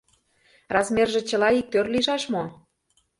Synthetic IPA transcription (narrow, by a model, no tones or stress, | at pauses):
rɑzmerʒĕt͡ɕə̆lɑik̚t̪ørliʒɑʃmo